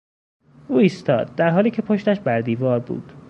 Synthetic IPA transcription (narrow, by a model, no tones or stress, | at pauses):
ʔuːiːst̪ʰɒːd̪̚ːæɾɦɒːliːcʰe̞pʰoʃt̪æʃbæɾd̪iːvɒːɾbṵːd̪̥